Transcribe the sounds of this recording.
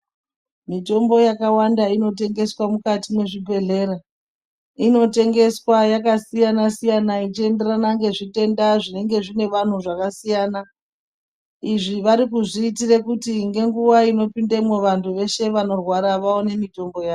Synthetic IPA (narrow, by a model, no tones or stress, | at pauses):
mito̞mbo̞jakawandaino̞te̞ŋɡe̞swamukatimwe̞ʐibʱe̞ɮe̞ɾa | ino̞te̞ŋɡe̞swajakasijanasijanait͡ʃie̞nde̞ranaŋɡe̞ʐite̞ndaʐine̞ŋɡe̞ʐine̞ʋan̤uʐakasijaːna | iʐiʋaɾikuʐiːtirekutiŋɡe̞ŋɡuwaino̞pindemweʋantʰuʋe̞ʃe̞ʋano̞rwaɾaʋaone̞mito̞mbo̞jaː